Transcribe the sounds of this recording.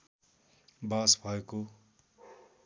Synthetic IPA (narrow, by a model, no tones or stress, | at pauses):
baːsbʱʌeko